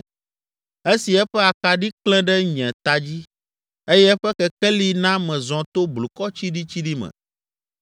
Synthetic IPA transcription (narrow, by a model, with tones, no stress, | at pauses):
e˦si˨ɛ˦ɸɛ˦a˨ka˨ɖi˦klɛ̃˦ɖɛ˦ɲɛ̃˨t̪a˨d͡ʑi˦ | e˦jɛ˦ɸɛ˦kɛ˦kɛ˦li˦nã˦mɛ̃˨zɔ̃˨t̪o˦blu˨kɔ˦t͡ɕi˦ɖi˦t͡ɕi˦ɖi˦mɛ̰̃˨